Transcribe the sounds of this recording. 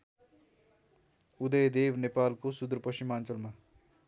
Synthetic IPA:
ud̪ʌjd̪ebnepalkosud̪rpʌɕt͡ʃimant͡sʌlma

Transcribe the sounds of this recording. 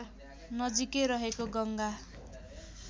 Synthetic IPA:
nʌd͡zikeɾʌɦekoɡʌŋɡa

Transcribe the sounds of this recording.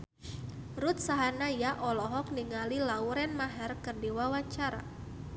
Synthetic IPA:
ɾut̪̚saɦanajaʔɔlɔɦɔk̚niŋalilauɾɛnmaɦɛrkɨrdiwawat͡ʃaɾa̰

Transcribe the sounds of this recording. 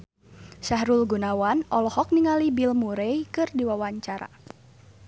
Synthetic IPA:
ʃaɦɾulɡunawanɔlɔhɔk̚niŋalibilmuɾɛjkɨrdiwawaɲt͡ʃaɾa̰

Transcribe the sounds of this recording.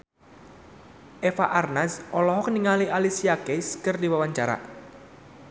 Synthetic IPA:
ʔefa̰ʔarnasʔɔlɔɦɔkəniŋaliʔalisiakeskɨrdiwawaɲt͡ʃaɾa̰

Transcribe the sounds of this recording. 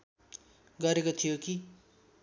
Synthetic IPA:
ɡʌɾekot̪ʰijoki

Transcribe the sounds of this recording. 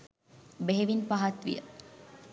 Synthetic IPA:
beɦeʋinpaɦat̪ʋḭjə̰

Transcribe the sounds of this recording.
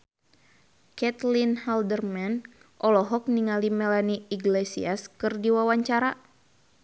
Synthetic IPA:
kɛt̪linhaldərmɛn | ʔɔlɔɦɔk̚niŋalimɛlaniiɡlɛsḭaskɨrdiwawaɲt͡ʃaɾa

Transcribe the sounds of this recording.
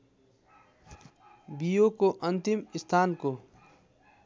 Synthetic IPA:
bijokoʔɐ̃nt̪ɪmɪst̪ʰaːnkoː

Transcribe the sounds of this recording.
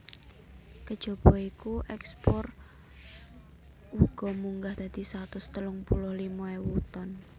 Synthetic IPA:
kəd̥ʒ̥o̤b̥ɔikuʔɛkspɔr | uɡ̥ɔ̤muŋɡahd̪̥a̤d̪̥i̤sat̪ʊst̪əlʊŋpulʊhlimɔewut̪ɔn

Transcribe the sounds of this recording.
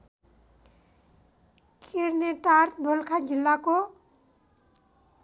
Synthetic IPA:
kʰeɾneʈaɾbʱolkʰad͡ʒilːako

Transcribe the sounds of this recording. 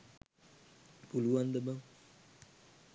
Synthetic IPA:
puluand̪əbəŋ

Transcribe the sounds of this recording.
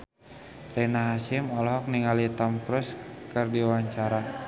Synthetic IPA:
rɛnaɦasɪmɔlɔɦɔk̚niŋalit̪ɔmkɾuskɨrdiawaɲt͡ʃaɾa

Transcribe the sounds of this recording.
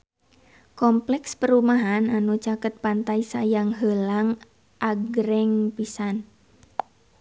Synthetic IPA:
kɔmplɛkspəɾumaɦananut͡ʃakət̪̚pant̪aisajaŋɦəlaŋ | ʔaɡɾɛŋpisan

